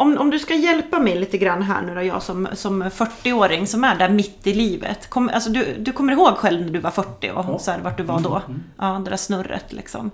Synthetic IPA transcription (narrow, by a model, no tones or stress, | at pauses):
ɔmɔmd̪ɵskajɛlpamɛjliːt̪əɡɾanːɦæ̰ːɳʉːɾæjɑ̰ːsɔmsɔmfœʈːɪoːɾɪŋsɔmæɖæɾmɪt̪ːɪliːvə̰t̪kʰɔmːʔalsɔd̪ɵd̪ɵkʰɔmːəɾɪhoːɡɧɛlvnæɖɵvaɾfœʈːɪ̰ɔ̰sɔæɖɛvaʈ̚ɖɵvad̪ɔʔɑːd̪ɛdæːʂnɵɾːə̰t̪lʔɪ̰ksɔ̰m